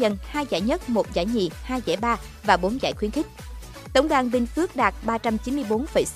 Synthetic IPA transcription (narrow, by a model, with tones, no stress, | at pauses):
ə˧˩nhaː˧jza̰ː˧˩jɲə˦˥t̚mo˨˩t̚za̰ː˧˩jɲḭ˧˨haː˧jzɛ̰˧˥jɓaː˧vaː˨˩ɓo˨˦nza̰ː˧˩jxwi˨˦ənxï˦˥k̟̚ | t̪ə˧˩wŋ͡mɗwaː˧˨nɓï˧ŋ̟fɨ˦˥ək̚ɗaː˨˩t̚ɓaː˧t͡ɕa˧mt͡ɕi˨˦nmɨ˧əjɓo˨˦nfə˧˩js